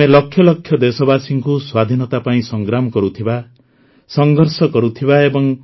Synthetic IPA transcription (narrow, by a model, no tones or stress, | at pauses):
elɔkʰːjɔlɔkʰjɔd̪esɔbasiŋkuswad̪ʱinɔt̪apaĩsɔŋɡɾamɔkɔɾut̪ʰiba | sɔŋɡʱɔɾsɔkɔɾut̪ʰibaebɔŋ